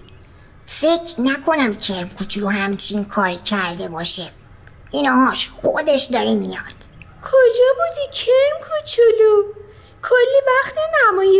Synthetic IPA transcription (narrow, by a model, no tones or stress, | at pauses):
fecʰɾnækʰo̞næmcʰeɾmkʰut͡ʃʰuluhæmt͡ʃʰinkʰɒːɾicʰæɾd̪e̞bɒːʃe | ʔinɒːɦɒːʃxod̪e̞ʃd̪ɒːɾimijɒːd̪̥ | kʰod͡ʒɒːbud̪icʰeɾmkʰut͡ʃʰulu | kʰolːivæxt̪ʰenæmɔːje